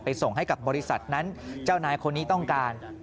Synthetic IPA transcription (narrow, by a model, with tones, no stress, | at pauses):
pa˧jso˨˩ŋɦa˥˩jka˨˩p̚bɔː˧ɾi˦˥sa̰˨˩t̪̚na˦˥nt͡ɕaː˥˩wnaː˧jkʰo˧nːi˦˥t̪ɔ˥˩ŋkaː˧n